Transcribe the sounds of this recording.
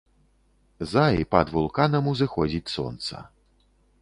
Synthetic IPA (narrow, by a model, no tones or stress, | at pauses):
zaḭpɐ̰d̪vulˠkanɐmuzɨxɔd͡zʲit͡sʲsɔ̰nt̪sɐ̰